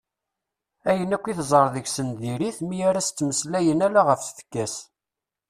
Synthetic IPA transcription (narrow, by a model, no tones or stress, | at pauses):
æjənækʷːiθzˤəɾˤðəʝsənðiɾiθmijaɾæst̪ːməslæjənælaʁəfθfə̥kːæs